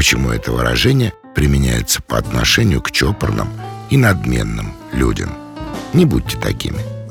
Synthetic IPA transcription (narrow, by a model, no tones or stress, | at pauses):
pət͡ɕɪmuɛt̪əvɨɾɐ̰ʐɛnʲɪjə | pɾʲɪmʲɪnʲæjɪt̪sə̥pəɐt̪nɐʂɛnʲɪjʊkt͡ɕopərnəminɐd̪mʲe̞nːɨm | lʲudʲɪmnʲɪbut̚ʲtʲːɪ̥t̪ɐkʲimʲɪ